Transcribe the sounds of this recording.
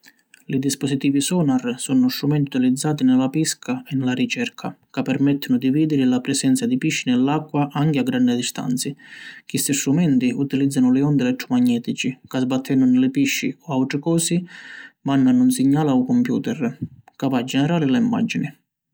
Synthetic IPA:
lid̪ispɔsit̪iːvisɔːnarsɔnʊst̪ɾumɛnt̪iut̪ilid̪zːaːt̪inɪlapiskʰaɛnːɪlaɾit͡ʃɛrkʰakapːɛɾmɛt̪ːɪnʊd̪iviːd̪ɪɾɪlapɾɛsɛnt̪sad̪ipiʃːinɛlːakːwaʔaŋkɪaɡːɾanːɪd̪ist̪a̰nt̪sɪkist̪ist̪ɾumɛnt̪iut̪ilid̪zːanʊlɪɔnd̪ɛlɛt̪ːɾɔmaɲːɛːt̪it͡ʃikazbat̪ʰːɛnːʊnɪlɪpiʃːḭɔawt̪ɾɪkɔːsimanːanunsiɲːaːlaukɔmpjṵːt̪ɛrkavad͡ʒɛnɛɾaːlɪlaimːa̰d͡ʒːinɪ

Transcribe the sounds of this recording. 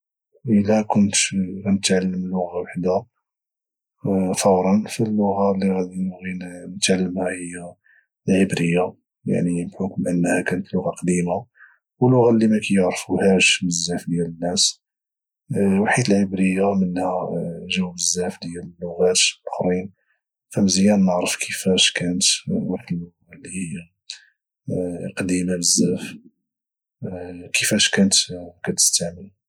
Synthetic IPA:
ʔəlækʊnt̪ɣænət̪ʕalːəmlːʊɣawaħd̪a | fɑwɾˤɑnfilːʊɣalːiɣæd̪inɣinnət̪ʕalːəmhæhəjːæ | lʕəbɾəjːa | ja̰ʕnimbħʊkmʔənːhækænət̪lʊɣɑqd̪ima | wəlːʊɣalːimækæjəʕɾfuhæʃbəzːæfd̪jælənːæs | waħid̪əlʕəbɾəjːamənhæʒəwbəzːæfd̪jællːʊɣæt̪ʔʊxɾin | fæmzəjænnəʕɾəfkʰəfæʃkænət̪waħəlːʊɣalːihəjːa | qɑd̪imabəzːæf | kʰəfæʃkænət̪kæt̪ə̥st̪aʕməl

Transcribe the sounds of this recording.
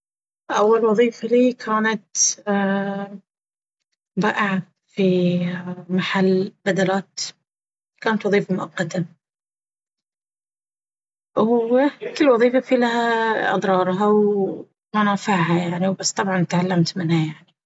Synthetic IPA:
ʔawːalwɑðˤiːfaliːkʰaːnat̪ː | baːʔɪʕa | fi | maħalːbad̪alaːt̪ | kaːnat̪wɑðˤiːfamʊʔaqːɑt̪a | wkɪlːwɑðˤiːfafilahaʔɑ̰d̪ˤɾˤɑːɾˤɦaw | mʊnaːfaʕhajaʕniwbasːt̪ˤɑbʕɑnt̪ʕalːamt̪mɪnhajaʕni

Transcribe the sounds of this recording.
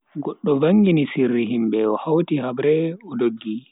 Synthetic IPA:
ɡɔɗːɔvaŋɡinisirːiɦimbɛɔhawtihabɾɛɔdoɡːi

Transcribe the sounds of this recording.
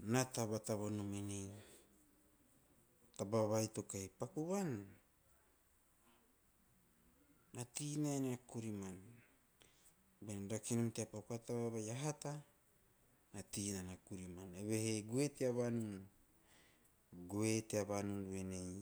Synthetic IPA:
nataβataβanumenej | tabaβajto̞kajpakuβan | atinaeneakuɾiman | benɾakinomteapakuatabaβajaɦata | natinaneakuɾimaneβeheɡueteaβanun | ɡoeteaβanunuenej

